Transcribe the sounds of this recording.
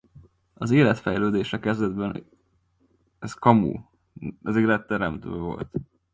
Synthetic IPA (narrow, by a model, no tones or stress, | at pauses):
ɒzeːlɛt̪fɛjløːd̪eːʃɛkɛzd̪ɛd̪bɛn | ɛskɒmṵː | ɛzeːlɛt̪ːɛɾɛmt̪ø̰ːvo̞̰lt̪